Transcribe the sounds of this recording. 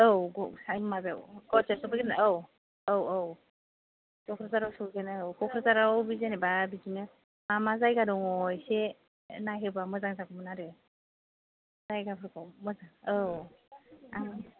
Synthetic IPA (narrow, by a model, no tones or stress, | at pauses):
ɯwɡɔsajmɯmabḛwɡ̥ɔzesɔbɯɡenɯw | ɯwɯw | zɔkʰɾɯzaɾawsɔbɯɡenɯwkʰɔkʰɾɯzaɾawbizenebabizinɯ | mamazajɡadɔŋɔjse | najɦɯbamɯzaŋzakʰɔmɯnaɾɯ | zajɡapʰɯɾkʰɔmɯzaŋɯw | a